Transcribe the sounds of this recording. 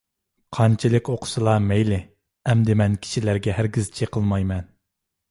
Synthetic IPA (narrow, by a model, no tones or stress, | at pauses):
qʰɑnt͡ʃʰilˠɨkʲoqʰʊ̥sɨlˠɑmɛjlɪ | ɛmd̪ɪmɛnkʲʰi̥ʃilæɾɡʲɛɦæɾɡʲɪzt͡ʃʰiqʰəlˠmɑjmɛn